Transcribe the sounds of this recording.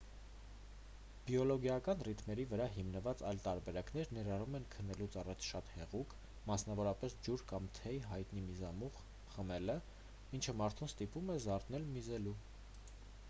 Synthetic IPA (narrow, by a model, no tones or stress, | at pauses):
b̥jɔlɔɡjɑkɑnrit̪ʰmɛɾivəɾɑɦimnəvɑt͡sɑjlt̪ɑɾbɛɾɑknɛɾnɛɾɑrumɛnkʰənːɛlut͡sʰɑrɑt͡sʰʃɑt̪hɛʁukʰ | mɑsnɑvɔɾɑpɛsd͡ʒuɾkɑmt̪ʰɛjɦɑjt̪nimizɑmuχ | χəmɛlə | int͡ʃʰəmɑɾt̪ʰumst̪ipumɛzɑɾt̪nɛlmizɛlu